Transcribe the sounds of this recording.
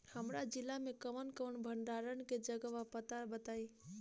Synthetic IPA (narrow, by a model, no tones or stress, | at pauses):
həmɾad͡ʒɪlːamẽkəʋənkəɳbʱəɳɖaɾənked͡ʒəɡəʋapət̪abət̪aːi